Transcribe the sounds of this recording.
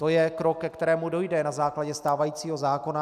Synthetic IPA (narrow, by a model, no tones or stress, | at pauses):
t̪o̞jɛkɾokːɛkt̪ɛɾɛːmudo̞jdɛnazaːklaɟɛst̪aːvajiːt͡siːɦo̞zaːko̞na